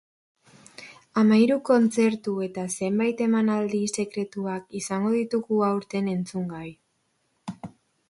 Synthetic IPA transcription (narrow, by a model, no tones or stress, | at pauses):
amajɾuko̞nt͡se̞ɾt̪ue̞t̪ase̞mbajt̪e̞manald̪ise̞kɾe̞t̪uakisaŋɡo̞ðit̪uɣuawɾt̪e̞ne̞nt͡suŋɡaj